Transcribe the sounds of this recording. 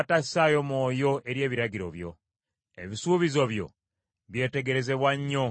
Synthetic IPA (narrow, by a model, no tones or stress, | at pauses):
tḁsajo̞mwo̞ːjo̞ʔe̞ɾje̞ːβiɾaɟiɾo̞̰βjo̞̰ | e̞̰βisuːβizo̞βjo̞̰ | βje̞ːte̞ɡe̞ɾe̞ze̞βwaɲːo